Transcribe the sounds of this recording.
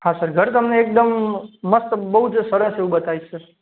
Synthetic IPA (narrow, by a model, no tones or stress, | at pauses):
hãsəɾɡʱəɾt̪əmneːk̚d̪əmːəst̪bəɦud͡ʒsəɾəseũbət̪aisəɾ